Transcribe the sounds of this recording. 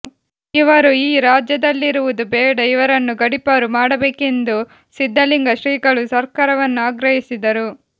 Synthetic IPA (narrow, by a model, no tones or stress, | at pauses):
iʋɐɾuiːɾaːd͡ʒjɐd̪ɐlːiɾuʋud̪ubɛːɽɐiʋɐɾɐnːuɡɐɽipɐɾumaːɽɐbeːke̞nd̪u | sid̪ʱːɐliŋɡɐʃɾiːɡɐɭusɐɾkaːɾɐʋɐnːuaːɡɾɐɦisid̪ɐɾu